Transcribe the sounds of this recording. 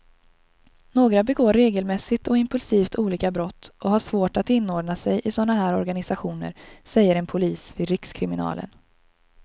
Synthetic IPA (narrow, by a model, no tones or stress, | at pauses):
noːɡɾabɛɡoːɾːeːɡəlmɛsːɪt̪ɔɪmpɵlsiːft̪ʰuːliːkabɾɔt̪ːʔɔɦhaʂvoːʈat̪ɪnːoːɖnasɛjʔɪsɔnːaɦæːɾɔɾɡanɪsaɧuːnə̰ɾsɛjːəɾɛnpʰʊliːsvɪːd̪ɾɪkskʰɾɪmɪnɑ̰ːlə̰n